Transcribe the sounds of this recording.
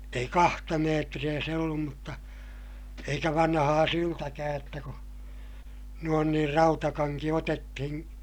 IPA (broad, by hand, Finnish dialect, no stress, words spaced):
ei kɑhtɑ meːtrij̆æ se olːum mutːɑ eikæ ʋɑnhɑː syltækæːj jotːɑ ku nuon niːr rɑutɑkɑŋki otetːihĩː